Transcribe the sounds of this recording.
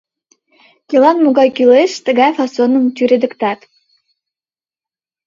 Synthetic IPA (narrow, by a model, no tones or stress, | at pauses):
kʲilˠɑnmuɡɑjkʲyleʃt̪ə̆ɡɑjfɑsonɤ̆mt̪ʲyɾed̪ɘ̆kt̪ɑt̪